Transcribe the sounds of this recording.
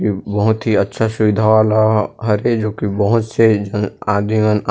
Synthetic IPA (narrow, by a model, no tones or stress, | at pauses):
ibɐɦʊt̪ɦiɐtːʃʰasʊʋɪd̪ʱaaːlaɦɐɾed͡ʒoːkibɐɦʊt̪sed͡ʒəaːd̪iʋən